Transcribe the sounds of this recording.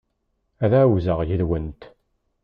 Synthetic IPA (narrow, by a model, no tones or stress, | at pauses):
æðæwzəʁjəðwənt̪